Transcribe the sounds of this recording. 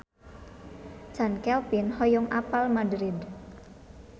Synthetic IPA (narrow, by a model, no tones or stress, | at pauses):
d͡ʒ̥a̤nkɛlpɪnhɔjɔŋʔa̰palmadɾɪd̪